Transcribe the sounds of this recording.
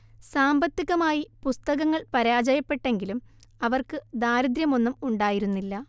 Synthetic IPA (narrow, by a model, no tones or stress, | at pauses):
saːmbɐt̪ːiɣɐmaːjipust̪ɐɣɐŋːɐɭpɐɾaːd͡ʑɐjɐpːe̞ʈːe̞ŋɡilum | ɐʋɐrkɨd̪aːɾud̪ɾjɐmo̞nːumuɳɖaːjiɾunːilːɐ